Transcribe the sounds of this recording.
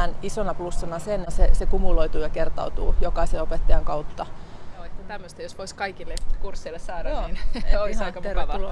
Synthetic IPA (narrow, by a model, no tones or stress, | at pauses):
ænisonɑplusːɑnɑsensesekumuloit̪uːjɑkert̪ɑ̰ut̪ṵːjokɑiseopet̪ːɑjɑŋkɑut̪ːɑoet̪ːæt̪æmːøst̪æjosʋoiskɑikilːekursːeilːessɑːdɑːninoisɑikɑeretːulo